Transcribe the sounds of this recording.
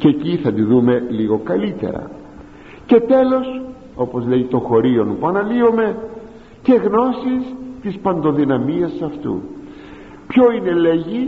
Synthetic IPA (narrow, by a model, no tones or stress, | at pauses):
ceeciθɐt̪iðume̞liɣo̞kɐlit̪e̞̰ɾɐ̰ | ce̞t̪e̞lo̞s | o̞po̞zle̞ʝit̪o̞xo̞ɾio̞npuɐnɐliome̞ | ce̞ɣno̞sist̪ispɐnd̪o̞ðinɐmiɐsɐft̪ṵ | pço̞ine̞le̞ʝi